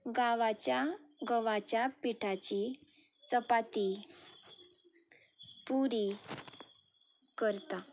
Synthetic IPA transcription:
ɡaʋat͡ɕaɡəʋat͡ɕjapiʈʰat͡ɕit͡səpat̪i | puɾi | kəɾt̪a

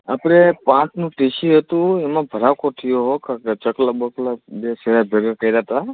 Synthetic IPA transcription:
a̰pɾepãt͡ʃnũʈiʃiɦət̪ũemãbʱəɾakot̪ʰijoɦokakat͡ʃəklabəklabeseɾabʱeɾəɾkəiɾat̪a

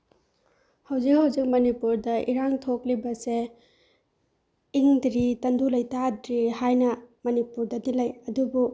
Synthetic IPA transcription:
hɐwzik̚hɐwzik̚mɐnipuɾdɐʔḭɾaŋtʰoklibɐse | iŋdɾitɐndulɐjtadɾihajnɐmɐnipuɾdɐdilɐjɐdubu

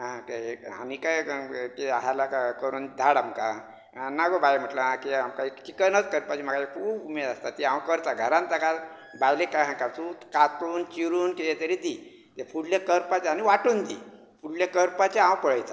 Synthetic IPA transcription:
ɦãkeea̰nikajkiaɦalakakəɾuːnd̪ʱaɽamkaã | naɡobajm̤əʈləɦãkiamkaekt͡ɕikənət̪kəɾpat͡ɕim̤aɡaekʰuːbumeɾast̪at̪iãwkəɾt̪aɡʱəɾãnt̪aka | bajlekaɦãkasuːt̪kat̪uːnt͡ɕiɾuːnkejet̪əɾit̪iː | t̪efuɽljakəɾpat͡ɕaaniʋaʈuːnt̪ḭː | fuɽljakəɾpat͡ɕaãwpəɭəjt̪a

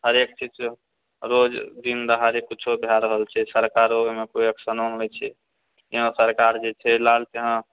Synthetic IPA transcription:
ɦəɾekt͡ʃit͡ʃ | ɾod͡ʒd̪ind̪əɦəɾekːut͡ʃʰobʱjaɾəɦəlt͡ʃʰɛsəɾkaɾomekoəksənomɛt͡ʃʰɛ | jeɦə̃səɾkaɾd͡ʒet͡ʃʰɛlalt̪eɦã

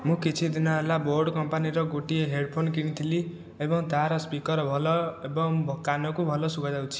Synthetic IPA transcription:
mũkit͡sʰid̪inaɦelaborɖkʌmpaniɾʌɡoʈieɦeɖpʰonkinit̪ʰili | ebʌŋd̪ʱaɾʌspikʌɾbʱʌlʌebʌŋbʱʌkːanʌkubʱʌlʌsuɡʌd͡zaw̃t͡sʰi̥

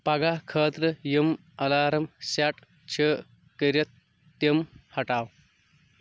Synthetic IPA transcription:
pɐɡakʰəːt̪ɾɐjɐm | ɐlaːɾɐmsaʈ | t͡ɕʰəː | kəɾjɐt̪ː | jɐmhɐʈaːw

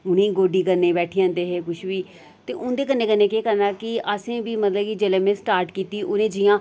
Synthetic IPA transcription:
ʊnẽːɡoːɖiːkəɾneːbɛːʈʰiːãːnd̪eːɦeːkʊʃʋiː | t̪eːʔʊ̃nd̪eːk̬ənːeːkənːẽːkeːkəɾnaːkɪəsẽːbiːmət̪ləbkid͡ʒeːleːmẽːsʈaːɾʈkiːt̪iːʔʊnẽːd͡ʒɪjãː

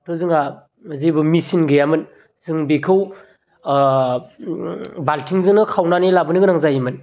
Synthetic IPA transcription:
tʰozɯŋa | zebɯmisinɡɯjamɯn | zɯŋbekʰɯw | baltʰiŋzɯŋnɯkʰawnanelabɯnɯɡɯnaŋzajimɯn

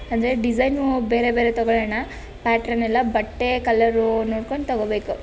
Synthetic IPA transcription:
ɐnd̪ɐɾeɖid͡ʒɐjnbe̞ːɾebeːɾet̪ɔɡɔɭɐnɐ | paːʈɾɐnɛlːɐbɐʈːekɐlːɐɾunoːɽkoɳɖt̪ɐɡobe̞ːku

